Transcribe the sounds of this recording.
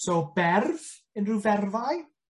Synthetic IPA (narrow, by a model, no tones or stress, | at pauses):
sɔbɛrv | ənruvɛrvaj